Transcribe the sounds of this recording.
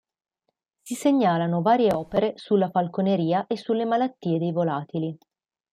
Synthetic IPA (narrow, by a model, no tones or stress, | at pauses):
siseɲːaːlanovaːɾjeɔːpeɾesulːafalkoneɾiːaʔesːulːemalat̪ːiːed̪ejvolaːt̪ili